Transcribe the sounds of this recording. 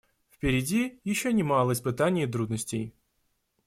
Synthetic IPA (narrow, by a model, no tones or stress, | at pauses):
fpʲɪɾʲɪdʲijɪɕːonʲɪmalˠəɪspɨt̪anʲɪjət̪̬ɾud̪nəsʲtʲɪj